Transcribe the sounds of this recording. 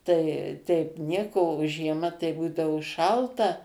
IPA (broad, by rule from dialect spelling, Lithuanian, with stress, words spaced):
ˈtɐɪ tʲɛɪp ˈnʲiɛkoː oː ʒʲiɛˈmɐ tɐɪ ˈbuːdɐʋoː ˈʃɐlˠtɐ